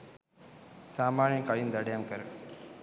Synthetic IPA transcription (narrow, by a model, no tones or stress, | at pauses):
saːmaːɳjɐkɐɭind̪ɐɽjamkɐɾ